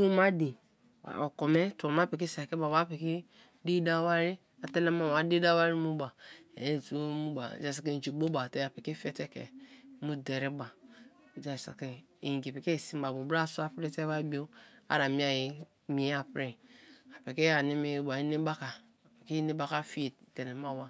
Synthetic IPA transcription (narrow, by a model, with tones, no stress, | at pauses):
u˦ma˦di˨ | wa̰˨o˨ko˨me˦tːm˦a˦pe˨ke˦sa˨ke˦ba˨a˦pe˨ke˦ | di˦da˦wa˦ɾi˦ | a˨te˦la˦ma˦˨a˨˦di˦da˦wa˦ɾi˦mu˦ba˨˦˨tu˦mu˦ba̰˨d͡ʒa˦s̬a˦ke˦˨d͡ʒi˨ɡ͡bo˦ba˨tɛ˦˨a˨pe˨ke˦fɛ˦tɛ˦kɛ̰˨˦mu˦de˨ɾi˦ba˨ | d͡ʒa˦˨sa̰˨ke˦˨ | ɡi˨pe˨ke˦˨si˦m˦ba˨mu˨bɾa˦su˦a˦pɾe˦te˦ba˦i˦bi˦o˦a̰˦˨ɾa˨mi˦a˦˨ji˨ | mi˨˦a˨pɾe˦a˨pe˨ke˦a˨ni˦me˨ba˨i˦ne˦ba˦ka˨ | pe˨ke˦ne˦ba˦ka˦fi˦e˨te˨ne˨ma˦˨wa˨